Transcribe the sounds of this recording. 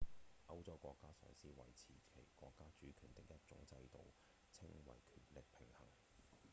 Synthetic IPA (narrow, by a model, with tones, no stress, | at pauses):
ʔɐ˥wt͡sɐ˥wkʷɔː˧kːaː˥sœ̰ː˨˩ŋsiː˥wɐ̰˨˩jt͡sʰiː˨˩kʰe˨˩jkʷɔː˧kːaː˥t͡ʃyː˨˥kʰyː˨˩nt̪ɪ˨k̚jɐ˥t̚t͡sʊ̰˨˥ŋt͡sɐ˧jt̪o˨w | t͡sʰɪ˥ŋwɐ̰˨jkʰyː˨˩nlɪ˨k̚pʰɪ˨˩ŋhɐ̰˨˩ŋ